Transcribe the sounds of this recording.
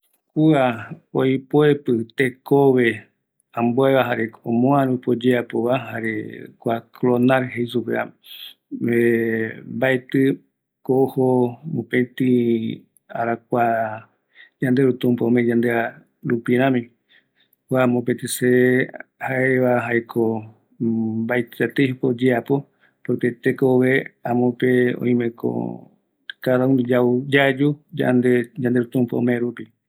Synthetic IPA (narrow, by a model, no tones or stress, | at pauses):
kuaojpoepɨt̪ekoβe̞ | ãmboeβaɦaɾeõmõãɾũpod͡ʒeapoβaɦaɾḛkʷaklonaɾɦeisupea̰ | βembaet̪ɨ | kohomõpẽt̪i | a̰ɾak̚ʷa | d͡ʒãnd̪eɾut̪ũmpaõmẽd͡ʒand̪ea | ɾupiɾãmĩ | wamõp̬ẽt̪ĩsehaeβaɦaekʰo | baet̪at̪ehupod͡ʒeapo | poɾp̪et̪ekoʋeãmõpeõ̰ĩmẽko̰ | kaɾaũnd͡ʒaud͡ʒad͡ʒud͡ʒa̰nd̪ed͡ʒãnd̪eɾut̪ũmpaõmẽɾupi